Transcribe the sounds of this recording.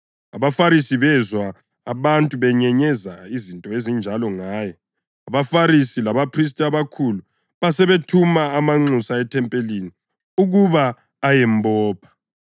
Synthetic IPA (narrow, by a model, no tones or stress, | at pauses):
aβafaɾisiβɛzwaː | βantʼuβɛɲɛɲɛzaizintʼɔezind͡ʒʱalɔŋaːjɔ | aβafaɾisilaβapʰris̬tʼaβakʰulu | βasɛβetʰumaːmaŋ͡ǀusaɛtʰɛmpʼelini | uɣuβaː | jɛmbɔːpʰḁ